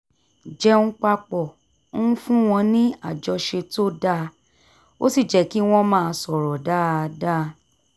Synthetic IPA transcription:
d͡ʒɛ˦ñ̩˦k͡pa˧k͡pɔ˨˦ | ũ˦fũ˦w̃ɔ̃˧nĩ˦a˦˨d͡ʒɔ˧ʃe˧to˦da˦˧ | o̰˦si˦˨d͡ʒɛ˨˦ki˦w̃ɔ̃˦mãː˦˧sɔ˨ɾɔ˨da˦˧da˦˧˦

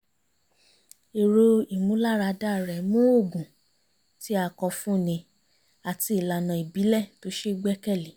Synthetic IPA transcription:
e˨ɾo˧i˨mũ˨˦la˦˨ɾa˧da˦˨ɾɛ˨mũ˦o˦˨ɡũ˨ | ti˨˦a˧˨kɔ˧fũ˦˨nĩ˧ | a˨ti˧i˨la˨nã˨i˨bi˨˦lɛ˦˨to˨˦ʃe˦˧ɡ͡bɛ˦kɛ˦˨li˨˦

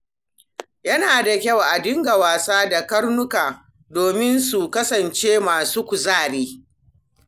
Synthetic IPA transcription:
jɐ˦naː˨da˨kʲɐ˦˨wʔa˨dɪ˦ŋɡa˨waː˨saː˦da˨kɐ˦ɽnʊ˦kaː˨ | doː˨mɪ˦nsu˨kɐ˦sɐ˨nt͡ʃeː˦maː˨suː˦kʷʊ˨zaː˦˨ɽeː˦

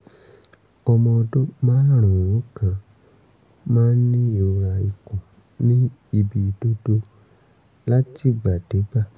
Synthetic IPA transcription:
ɔ˧mɔ̃˧o˧do˦mãː˦n˦˨ɾ̃ũ˨wɔ̃˨˦kã˧ | mãː˦nĩ˦e˨˧ɾa˧i˨kũ˨ | nĩ˦i˧bi˧do˦do˦ | la˦ti˦˨ɡ͡ba˨d̥e˨˦ba˦˨

